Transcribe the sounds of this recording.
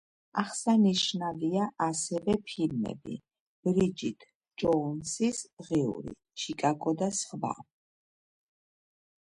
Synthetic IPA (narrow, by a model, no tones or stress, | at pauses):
aχsaniʃnaviaʔasɛvɛpʰilmɛ̰bḭ | b̥ɾid͡ʒit̪ʰ | d͡ʒɔnsisʁɛṵɾḭ | t͡ʃʰikʼaɡɔd̪asχva̰